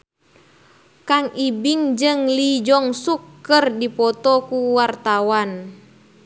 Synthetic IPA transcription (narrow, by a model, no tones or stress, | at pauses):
kaŋibiŋd͡ʒɨŋlid͡ʒɔŋsukːɨrdipɔt̪ɔkuwart̪awan